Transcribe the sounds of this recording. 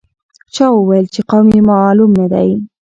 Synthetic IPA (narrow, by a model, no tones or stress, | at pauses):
t͡ʃɑwəwajəlt͡ʃeqawmjemɑlumnad̪a̰j